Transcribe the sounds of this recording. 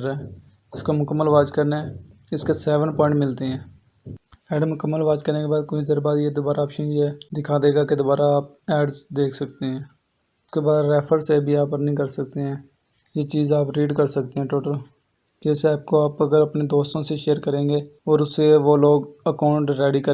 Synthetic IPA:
ɾɛː | ɪskomʊkəmːəlʋaːd͡ʒkəɾne | ɪskesɛːʋə̃ɳpɔ̃ːɪɳʈmɪlt̪eɦɛ̃ː | ɛːɖmʊkəmːəlʋaːd͡ʒkəɾneːkebaːd̪̚kʊt͡ʃid̪əɾbaːd̪jeːd̪ʊbaːɾaːpʃĩd͡ʒeːd̪ɪkʰaːd̪eːɡaːked̪ʊbaːɾaːp̚ | ɛːɖd̪eːkʰsəkt̪eɦɛ̃ː | ʊskeːbaːd̪ɾɛːpʰəɾsebʱiːaːpəɾnəĩːkəɾsək̚t̪eɦɛ̃ː | jeːt͡ʃiːzaːpɾiːɖkəɾsək̚t̪eɦɛ̃ːʈoːʈəl | kesɛːp̚koaːpəɡəɾəpneːd̪oːst̪õːseʃeːəɾkəɾẽːɡeːɔːɾʊseʋoːloːɡəkaːʊɳʈɾɛːɖiːkəɾ

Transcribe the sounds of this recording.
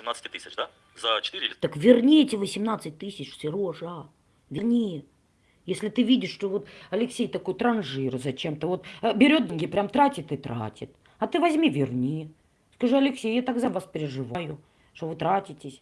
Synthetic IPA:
sʲɪmnat̪sə̥tʲɪt̪ɨsʲɪt͡ʃd̪a | zət͡ɕɪ̥t̪ɨɾʲɪt̪əkvʲɪrnʲetʲɪvəsʲɪmnat̪sɨt̚ʲt̪ɨsʲɪt͡ɕsʲɪɾoʐa | vʲɪrnʲejə | jesʲlʲɪt̪ɨvʲidʲɪʂʂt̪ovot̪ɐlʲɪksʲejt̪ɐkojt̪ɾɐnʐɨɾzɐt͡ɕemt̪əvo̞t̪bʲɪɾʲo̞t̪̚d̪ɐnɡʲipɾʲamt̪ɾatʲɪt̪ɨt̪ɾʔa̰tʲɪt̪ | ɐt̪ɨvɐzʲmʲivʲɪrnʲejə | skɐʐɨɐlʲɪksʲejat̪akzɐvaspʲɪɾʲɪʐɨvajʊ | ʂt̪ovɨt̪ɾatʲɪtʲɪsʲ

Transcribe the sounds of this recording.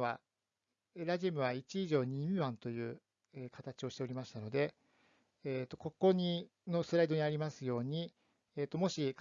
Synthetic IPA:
βa | eɾaʑimɯ̟β̞ait͡ɕiːʑo̞ːɲ̟imʲiβãnt̪o̞jɯ̟ː | ekat̪at͡ɕio̞ɕi̥t̪e̞o̞ɾʲimaɕi̥t̪ano̞d̪e̞ | eːt̪ːo̞ko̞ko̞ɲ̟i | no̞sɨɾaid̪o̞ɲ̟iaɾʲimasɨjo̞ːɲ̟i | et̪ːo̞mo̞ɕik

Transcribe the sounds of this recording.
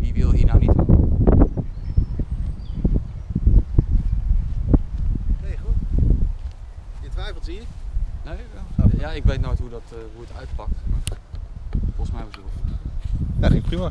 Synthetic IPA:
ʋiʋɪlˠɦinawnit | ejχlˠ | jətʋɛjfəlˠtiːɹnejaɪkʋejtnojtɦudɑtɦuətœ̰ɥtpɑk̚tma | fɔlˠsmɛjʋəzo | daχenprima

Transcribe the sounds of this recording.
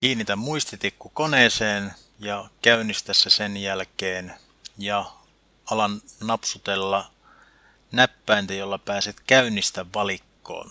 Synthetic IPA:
kiːnːit̪æmuist̪it̪ikːkukoneːseːn | jɑkæynːˑist̪æsːæsenjælkeːn | jɑ | ɑlɑnnɑpsut̪elːɑ | næpːæint̪æjolːɑpæːset̪kæynːist̪æʋːɑlikːo̰ːn

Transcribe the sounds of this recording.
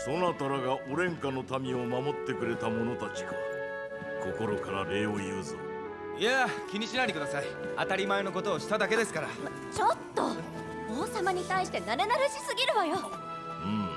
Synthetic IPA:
so̞nat̪aɾaɡaʔoɾẽ̞ŋkano̞t̪amʲio̞mamo̞t̪ːe̞kɯ̟ɾe̞t̪amo̞no̞t̪at͡ɕi̥ɡa | ko̞ko̞ɾo̞kaɾaɾe̞ːo̞jɯːzɨ | iakʲiɲ̟iɕinaɾʲikɯ̟d̪asai | at̪aɾʲimae̞no̞k̬ot̪o̞ːɕi̥t̪ad̪ake̞d̪e̞sɨ̥kaɾa | t͡ɕo̞t̪ːo | oːsamaɲ̟it̪aiɕi̥t̪e̞naɾe̞naɾɯ̟ɕisɨɡʲiɾɯ̟βajo | ɯ̟̃ɴ

